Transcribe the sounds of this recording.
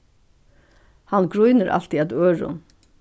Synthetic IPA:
hanɡɾujnəɾʔa̰l̥t̪iæt̪øːɹʊ̰n

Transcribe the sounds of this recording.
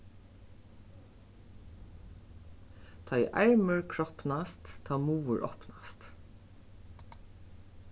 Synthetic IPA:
t̪ʰɑjʔæɹməɹkʰɹɔpnast̪t̪ʰːɑːmuːəɹʔɔ̰pnast̪

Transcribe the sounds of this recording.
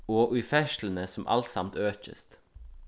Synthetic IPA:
oːʔʉfæʃlənəsɔm̩ʔɑ̰lt̪sɑmt̪øːc͡çə̰st̪

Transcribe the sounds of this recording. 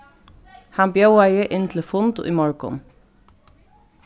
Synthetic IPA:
hɑnbjɑʊæɪəʔɪnt̪ʰl̩fʊnd̪̰ʔḭːmɑɹkɔ̰n

